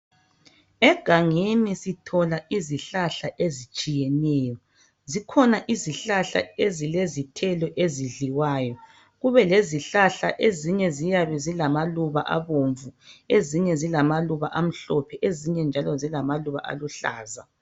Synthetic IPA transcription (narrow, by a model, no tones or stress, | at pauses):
ɛɡ̥ʱaŋenisitʰɔlaʔiziɬaɬaʔezit͡ʃʼijɛnɛːjɔ | zikʰɔnaʔiziɬaɬa̰ezilezitʰɛlɔʔeziɮiwaːjɔ | ɣuβɛleziɬaɬaʔeziɲɛzijaβɛzilamaluβa̰ʔa̰βoɱvueziɲɛzilamaluβaʔam̩ɬɔpʰɛʔeziɲɛnd͡ʒʱalɔzilamaluβa̰ʔa̰luɬa̰ːza